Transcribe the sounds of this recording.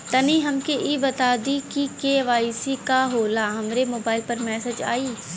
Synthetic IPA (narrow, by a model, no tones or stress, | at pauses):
t̪ɐniːɦɐmkeʔibɐt̪aːd̪ikikeːʋaːisikaɦoːlaɦɐmɾemoːbaːɪlpəɾmɛːsed͡ʒa̰ːiː